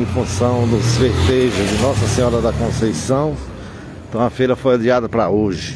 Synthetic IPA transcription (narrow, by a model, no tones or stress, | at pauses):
ẽfũsɐ̃w̃d̪ʊzveɾt̪eʒɐd͡ʒ̪ɪnɔsɐsẽɲɔɾɐd̪ɐkõsejsɐ̃w̃ | ẽt̪ɐ̃w̃ɐfejɾɐfojadiad̪ɐpɾɐoʒɪ